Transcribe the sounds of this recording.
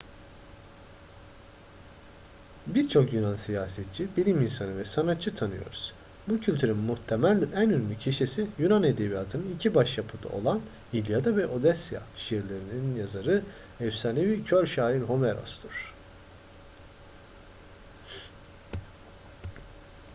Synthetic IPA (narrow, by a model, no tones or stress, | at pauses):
biɾt͡ʃʰo̞kjunansijaːsɛt̪̚t͡ʃʰibilʲiminsanɯvɛsanat̪̚t͡ʃʰːɯt̪ʰanɯjo̞̰ɾuz̥ | bucʰylʲt̪ʰyɾinmuht̪ʰemælʲænynynʲycʰiʃisijunaned̪ebijaːt̪ʰɯnɯnicʰibaʃjapʰɯd̪a̰o̞̰lˠan | jilʲjad̪avɛʔo̞d̪ɛsja̰ʃijiɾlʲeɾinininjazaɾɯ | ɛwsanevicʰøɾʃaːjiɾɦo̞meɾo̰sd̪ɯɾ̥